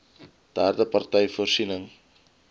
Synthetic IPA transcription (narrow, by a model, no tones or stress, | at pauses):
d̪̥art̪əpart̪ajforsinəŋ